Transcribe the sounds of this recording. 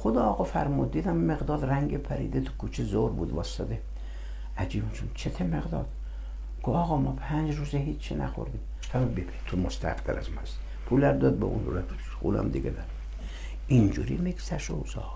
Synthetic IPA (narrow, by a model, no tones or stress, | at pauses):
xod̪ɑːɣɒfæ̰ɾmud̪̚ːiːd̪æmːeɣd̪ɒːd̪ræŋɡepʰæɾḭːd̪et̪ʰu̥kʰuːt͡ʃʰezoɾbṵːd̪vɒːst̪ɑd̪e | æd͡ʒiːbunt͡ʃʰont͡ʃʰet̪ʰemeɣd̪ɒ̰ːd̪̥ | ɡ̥oɒːɣɒmɒːpʰænd͡ʒruːzeɦit͡ʃːʰt͡ʃʰːinæ̰xo̰ɾd̪im | fʰæmbebʰe̥t̪ʰumost̪ʰæ̰qd̪æɾæzmæs | pʰulæɾd̪ɒd̪̚bɔʔunɾæ | sxṵːlæ̰md̪iɡʲed̪æɾ | ind͡ʒṵɾimeɡsæʃo̰wzɒ̰